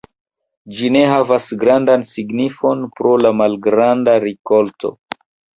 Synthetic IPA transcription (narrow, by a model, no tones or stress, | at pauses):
d͡ʒine̞ɦavasɡɾandansiɡnifo̞npɾolamalɡɾandaɾiko̞lto̞̰